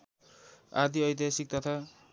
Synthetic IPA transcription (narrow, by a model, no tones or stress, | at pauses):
a̰d̪iʌjd̪esik̚t̪ʌt̪ʰa